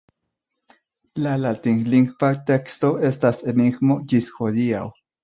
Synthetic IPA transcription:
lalat̪iŋliŋxpat̪ekst̪oest̪aseniɡmod͡ʒisxod̪ia̰w

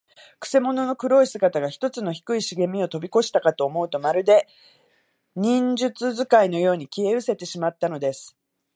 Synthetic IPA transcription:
kɯ̟̥se̞mo̞no̞no̞kɯ̟ɾo̞isɨɡat̪aɡaçi̥t̪o̞t͡sɨno̞çi̥kɯ̟iɕiɡe̞mʲio̞t̪o̞bʲiko̞ɕi̥t̪akat̪o̞ːmo̞ɯ̟t̪omaɾɯ̟d̪e̞ | ɲ̟ĩɲd͡ʑɨt͡sɨzɨkaino̞jo̞ːɲ̟ikʲie̞ɯ̟se̞t̪e̞ɕimat̪ːano̞d̪e̞sɨ̥

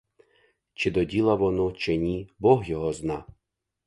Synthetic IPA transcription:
t͡ʃɪd̪ɔdʲilˠɐʋɔnut͡ʃɪnʲibɔɦjɔɦɔznɑ

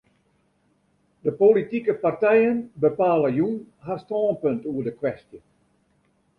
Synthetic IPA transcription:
dəpolitikəpartɛjənbəpaːləjunɦastɔːnpøntuədəkwɛstjə

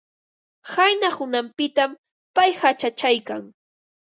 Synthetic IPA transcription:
hajnahʊnampɪt̪am | pajhat͡ʃat͡ʃajkaŋ

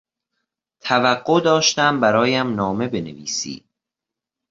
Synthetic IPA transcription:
t̪ʰævæɢːod̪ɒːʃt̪æmbæɾɒːjæmnɒːme̞be̞nḛvḭːsḭːd̪

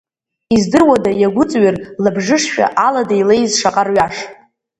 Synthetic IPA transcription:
izdɨrwadajaɡʷʊt͡sʼɥɪrlabʐɨʂʃᶣa̰ʔaladailejzʂaqʼarɥaʂ

